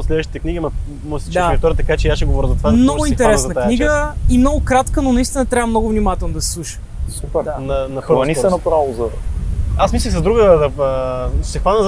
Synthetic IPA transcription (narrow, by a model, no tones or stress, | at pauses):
slɛd̪vəʃt̪it̪ɛkniɡʲimɐ | mɔjsi̥t͡ʃ̪aɾɐk̚t̪ɔɾət̪ɐkat͡ʃɛjaʃɛɡovɔɾəzɐt̪ovad̪mnɔɡʊinxɛɾɛzɐnək̪akniɡəimnɔɡʊkɾat̪kənonɐist̪inət̪ɾʲavəmnɔɡʊvnimat̪ɛlˠnod̪ɐsi̥slˠuʃə̥ | supɛɾd̪anɐnɐpɾaniɛnɐpɾavʊzɐ | asmisləxsɐzd̪ɾuɡəd̪ɐəsɛxvanəz